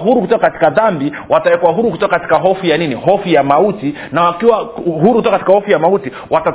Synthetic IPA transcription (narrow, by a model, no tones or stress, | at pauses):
ɦuɾukutɔkakati̥kaðambi | watawɛkwaɦuɾukutɔkakati̥kaɦɔfujaninihɔfujamauti | nawakiwaɦuɾukutɔkakatikahɔfujamauti | wata